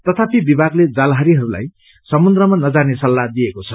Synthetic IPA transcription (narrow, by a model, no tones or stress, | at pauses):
t̪ʌt̪ʰapibibʱaɡled͡zalɦaɾiɦʌɾula̰j | sʌmund̪rʌmanʌd͡zanesʌlːad̪iekot͡sʰʌ̥